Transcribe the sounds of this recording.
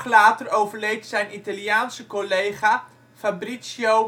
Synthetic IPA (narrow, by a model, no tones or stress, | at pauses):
χlaːtərowvəɹlejtsɛjnitaljaːnsəkolejχa | fabrisjow